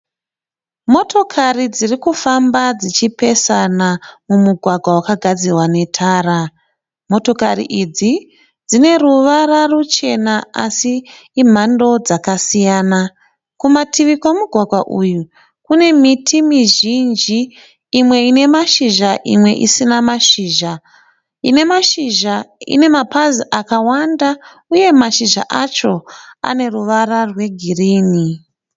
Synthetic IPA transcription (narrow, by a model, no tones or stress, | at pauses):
mo̞to̞kʰarid͡zirikufambad͡zit͡ʃipe̞sanamumuɡʱwaɡʱwawakaɡʱad͡zirwane̞tʰaːɾa | mo̞to̞karḭʔid͡zi | d͡zine̞ruʋararut͡ʃe̞naa̰siː | m̤ando̞d͡zakasijaːna | kumatʰiʋikamuɡʱwaɡʱwaʔuju | kune̞mitʰimiʒind͡ʒiː | mwe̞ine̞maʃiʒaʔḭmwe̞̰ʔḭsinamaʃiːʒa | ine̞maʃiʒaḭne̞mapaziʔakawanda | uje̞maʃiʒa̰ʔat͡ʃo̞a̰ne̞ruʋararwe̞ɡʱiriːni